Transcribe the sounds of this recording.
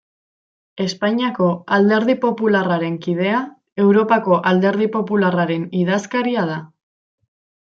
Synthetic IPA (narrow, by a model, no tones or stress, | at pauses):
e̞spaɲiako̞ald̪e̞ɾð̞ipo̞pularaɾe̞ŋkiðe̞a | e̞wɾo̞pako̞ʔald̪e̞ɾð̞ipo̞pularaɾe̞niðaskaɾiað̞a